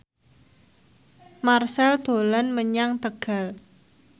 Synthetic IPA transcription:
marsɛld̪̥o̤lanməɲaŋt̪əɡ̥a̤l

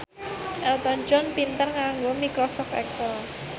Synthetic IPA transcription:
ʔɛlt̪ɔnt͡ʃɔnpint̪ərŋaŋɡomikɾɔsɔft̪ɛ̰ksɛl

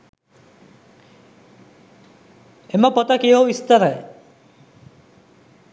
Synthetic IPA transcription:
emapɔt̪akeɦowist̪aɾae

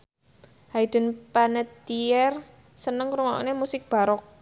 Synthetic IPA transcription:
haid̪̥ə̤npanət̪iɛr | sənəŋkɾuŋɔ̰nemusɪk̚b̥a̤ɾɔk̚

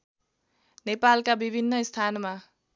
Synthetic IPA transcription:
nepalkabibʱinːʌst̪ʰanma

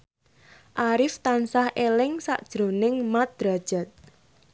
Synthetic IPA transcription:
ʔaɾɪft̪ansahʔelɪŋsa̰ʔd̥ʒ̥ɾo̤nɪŋmat̪̚d̪̥ɾad̥ʒ̥a̤t̪̚

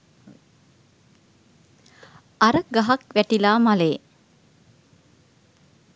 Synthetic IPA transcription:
aɾəɡaɦakʋæʈilaːmaleː

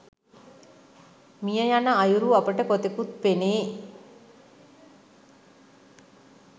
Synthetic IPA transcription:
mijəjanəajuɾuapəʈəkot̪ekut̪̚peneː

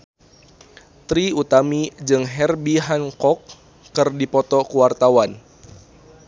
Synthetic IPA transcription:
t̪ɾiut̪amid͡ʒɨŋɦɛrbiɦankɔkː | ɨrdipɔt̪ɔkuwart̪awan

